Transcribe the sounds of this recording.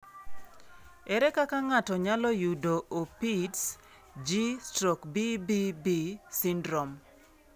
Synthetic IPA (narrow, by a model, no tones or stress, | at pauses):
ɛɾɛkakaŋatɔɲalɔjudoʔopits | d͡ʒistɾɔkbibibisindɾɔm